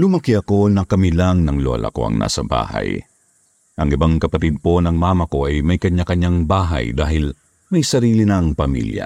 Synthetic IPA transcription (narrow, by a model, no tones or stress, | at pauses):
lʊmɐkiʔɐko̞nɐkɐmilaŋnɐŋloɐ̰lʔɐ̰ko̞̰ʔɐ̰ŋna̰ːsɐba̰ːhɐ̰j | ʔɐŋɪbaŋkɐpɐt̪id̪̚po̞nɐŋmaːmɐko̞ʔɐjmɐjkɐɲːakɐɲːaŋbaːɦɐ̰jd̪aːɦɪl | mɐjsɐɾiːlinɐŋpɐmḭljɐ̰